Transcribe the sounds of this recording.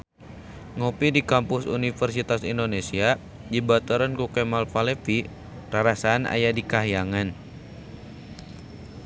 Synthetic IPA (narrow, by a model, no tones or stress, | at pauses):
ŋopidikampʊsṵnifɛrs̬it̪asindonesia | d͡ʒibat̪uɾankukɛmalfalɛfi | raɾasaːnʔa̰jadikaɦijaŋan